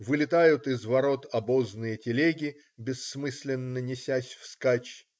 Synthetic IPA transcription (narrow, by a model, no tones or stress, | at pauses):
vɨlʲɪt̪ajʊt̪ɪzvɐɾo̞t̪ɐboznɨjətʲɪlʲeɡʲɪ | bʲɪsːmɨsʲlʲɪnːənʲɪsʲæsʲfskat͡ɕ